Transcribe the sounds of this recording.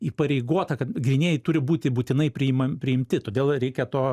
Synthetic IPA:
iːpɐɾʲɛɪɡoːt̪ɐkɐt̪ɡɾʲɪnʲeːjɛɪt̪ʊɾʲɪbuːt̪ʲɪbuːt̪ʲɪnɐɪpʲɾʲɪɪmɐpʲɾʲɪɪmʲt̪ʲɪt̪oːd̪ʲeːlˠɾʲɛɪkʲɛt̪oː

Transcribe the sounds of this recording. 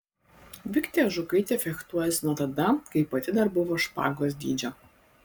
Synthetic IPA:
ʋʲɪkt̪ʲɛʒʊkɐɪt̪ʲɛfʲɛkt̪uɔjɛsʲnuɔt̪ɐd̪ɐkɐɪpɐt̪ʲɪd̪ɐɾbʊʋoːʃpɑ̰ːɡoːsd̪ʲiːd͡ʒʲo

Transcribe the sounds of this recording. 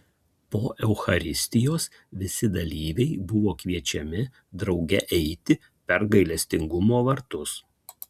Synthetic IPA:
poːʔɛʊxɐɾʲɪsʲt̪ʲɪjoːs | ʋʲɪsʲɪd̪ɐlʲiːʋʲɛɪbʊʋoːkʋʲiɛt͡ʃʲɛmʲɪ | d̪ɾɒʊɡʲɛʔɛɪt̪ʲɪ | pʲɛɾɡɐɪlʲɛsʲt̪ʲɪŋɡʊmoːʋɐɾt̪ʊs

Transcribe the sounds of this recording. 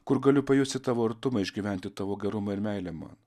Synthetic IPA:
kʊɾɡɐlʲʊpɐjʊst̪ʲɪt̪ɑːʋoːɐɾt̪ʊmɐɪʒʲɡʲiːʋʲæˑnʲt̪ʲɪt̪ɑːʋoːɡʲɛɾʊmɐɪɾmʲɛɪlʲæmɑ̰ːn

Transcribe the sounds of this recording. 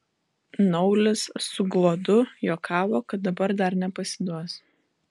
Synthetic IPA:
nɔʊlʲɪsːʊɡlˠoːd̪ʊjoːkʰɑːʋoːkɐt̪̚d̪ɐbɐɾd̪ɐɾnʲɛpɐsʲɪd̪uɔs

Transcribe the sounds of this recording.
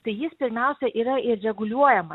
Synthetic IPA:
t̪ɐɪjɪspʲɪɾʲmʲɛʊsʲɛʔiːɾɐɪɾɾʲɛɡʊlʲuɔjɛmɐ

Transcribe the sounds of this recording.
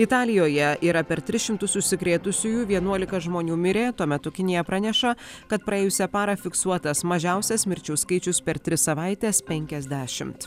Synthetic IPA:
ɪt̪ɑːlʲɪjoːjɛiːɾɐpʲɛɾt̪ʲɾʲɪʃʲɪmt̪ʊsʊsʲɪkɾʲeːt̪ʊsʲʊjuːʋʲiɛnuɔlʲɪkɐʒmoːnʲuːmʲɪɾʲeːt̪uɔmʲɛt̪ʊkʲɪnʲɪjɛpɾɐnʲɛʃɐkɐt̪pɾɐeːjʊsʲɛpɑːɾɐfʲɪksuɔt̪ɐsmɐʒʲæʊsʲɛsmʲɪɾʲt͡ʃʲɛʊskɐɪt͡ʃʲʊspʲɛɾt̪ʲɾʲɪsɐʋɐɪt̪ʲeːspʲɛŋʲkʲɛzʲd̪ʲæːʃʲɪmt̪

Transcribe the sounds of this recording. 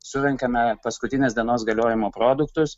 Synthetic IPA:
sʊɾʲɛŋkɐmʲɛpɐskʊt̪ʲɪnʲeːsd̪ʲiɛnoːsɡɐlʲoːjɪmoːpɾoːd̪ʊkt̪ʊs

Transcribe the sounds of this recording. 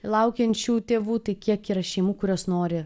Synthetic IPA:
lˠɐʊkʲɛnʲt͡ʃʲuːt̪ʲeːʋuːt̪ɐɪkʲiɛkiːɾɐʃʲɛɪmuːkʊɾʲoːsnoːɾʲɪ

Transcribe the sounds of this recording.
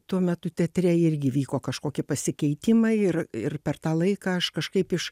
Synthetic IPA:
t̪uɔmʲɛt̪ʊt̪ʲɛt̪ʲɾʲɛɪɾʲɡʲɪʋʲiːkoːkɐʃkoːkʲɪpɐsʲɪkʲɛɪt̪ʲɪmɐɪɪrɪrpʲɛrt̪ɑːlˠɐɪkɑːɐʃkɐʃkɐɪpɪʃ

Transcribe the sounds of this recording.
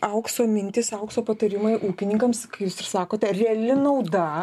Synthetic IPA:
ʔɐʊksoːmʲɪnʲt̪ʲɪsɐʊksoːpɐt̪ɐɾʲɪmɐɪʔuːkʲɪnʲɪŋkɐmskɐɪjuːsɪrsɑːkoːt̪ʲɛrʲɛɛlʲɪnɐʊd̪ɐ

